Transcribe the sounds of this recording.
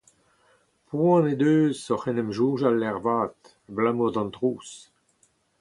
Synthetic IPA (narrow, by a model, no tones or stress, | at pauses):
pwɑ̃ned̪øːzɔχɛnɛmʒuːʒalːɛʁvaːt̪ | blamuʁd̪ɑ̃nt̪ʁuːs